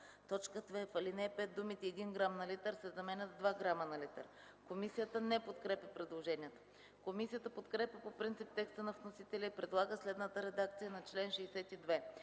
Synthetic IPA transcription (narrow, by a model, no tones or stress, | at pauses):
t̪ɔt͡ʃkət̪vɛfɐlinɛpɛt̪̚d̪umit̪iɛd̪inɡɾamnɐlit̪əɾsɛzɐmɛnʲət̪d̪vaɡɾamənɐlit̪ə̰ɾ | komisijət̪ənɛpot̪kɾɛpʲjəpɾɛd̪lˠoʒɛniɛt̪ə̥ | komisijət̪əpot̪kɾɛpʲjəpopɾint̪sip̚t̪ɛkst̪ənɐfnosit̪ɛlʲəipɾɛd̪lˠaɡəslɛd̪nət̪əɾɛd̪akt̪sijənɐt͡ʃlɛnʃɛːsɛt̪id̪vɛ